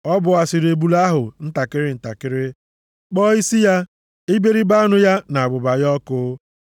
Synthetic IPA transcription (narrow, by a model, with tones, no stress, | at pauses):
ɔ˦bʊ˨a˨sɪ˨ɾe˨bu˨la˦ɦʊ˨n̩˦ta˨kɪ˦ɾɪ˦n̩˨ta˨kɪ˦ɾɪ˦ | k͡pɔ˦i˦si˦ja˦ | i˦be˦ɾi˦ba˦nʊ˦ja˦na˨a˨bʊ˨ba˨jɔ˦kʊ˦